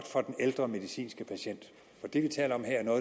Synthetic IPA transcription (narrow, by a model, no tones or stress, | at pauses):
ɡ̥d̥fɒ̽d̥eneld̥ʁɐme̝ðˠisḭːnsɡ̥əpʰæɕen̰d̥ | fɒ̽d̥e̝ʋit͡sʰɛ̰ːləɒ̽mɦeɐ̰ɐnɔ̽ːð